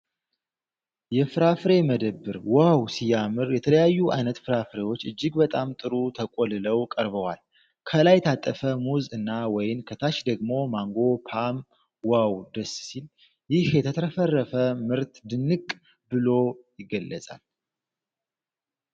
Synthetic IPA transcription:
jɛfɨɾafɨɾe̞məd̪əbːɨɾwawsijamɨɾjɛt̪ʰələjajːuʔa̰jnət̪fɨɾafɾe̞wo̞t͡ʃːɨd͡ʒːɪɡbət̪ʼamt̪ʼɨɾut̪ʰəkʼolɨləwkʼəɾbəwa̰l | kʰəlajt̪ʰat̪ʼːəfəmuzɨnːawɔjɪnkʰət̪ʰaʃd̪əɡmo̞maŋɡo̞pʰam | wawd̪əssil | jɪhjɛt̪ʰət̪ʰəɾfərːəfəmɨɾt̪d̪ɨnːɨkʼ | bɨlo̞jɪɡəlːə̰sʼa̰l

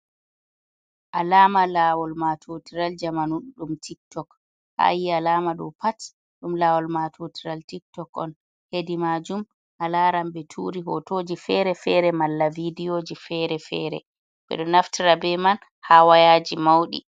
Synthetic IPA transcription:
ʔalaːmalaːwɔlmatʰotiɾald͡ʒamanuɗumtʰik̚tɔk | ha̰jialaːmaɗɔ̰pat | ɗumlawɔlmatʰotiɾaltik̚tɔkɔ̰n | hedimad͡ʒum | ʔalaɾambɛtʰuɾiɦɔ̰tod͡ʒifɛɾɛfɛɾɛmalːavidijod͡ʒifɛɾɛfɛ̰ːɾɛ̰ | bɛ̰ɗɔnaftiɾabɛman | hawajad͡ʒimawɗḭ

